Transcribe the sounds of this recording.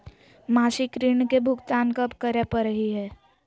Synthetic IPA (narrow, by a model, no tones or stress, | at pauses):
maːʃikɾɪɳkebʱʊkt̪aːnkəpkəɾepəɾəɦiɦɛː